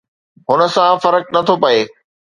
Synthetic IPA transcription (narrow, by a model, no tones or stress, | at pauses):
ɦʊnə̆sãfɐɾək̚nɐt̪ʰopɐeː